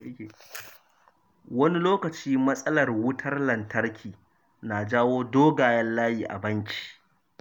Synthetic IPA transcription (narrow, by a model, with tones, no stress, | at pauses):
kʲe˨ | wɐ˦ni˦loː˦kɐ˨t͡ʃiː˦mɐ˦sʼɐ˦lɐ˨rwʊ˦tʰɐ˦rlɐ˨ntɐ˦ɽkʲʰiː˨ | na˨d͡ʒaː˦woː˦doː˦ɡaː˨jɐ˦nlaː˦jiː˨ʔa̰˨bɐ˦nt͡ʃʲi̥˨ʔ